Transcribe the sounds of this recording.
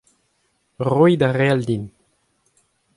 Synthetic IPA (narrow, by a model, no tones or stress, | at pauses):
ʁujd̪aʁeald̪in